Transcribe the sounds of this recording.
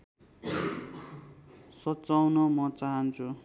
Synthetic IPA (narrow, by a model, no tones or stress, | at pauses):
sʌtt͡sawnʌmʌt͡saɦʌnt͡sʰu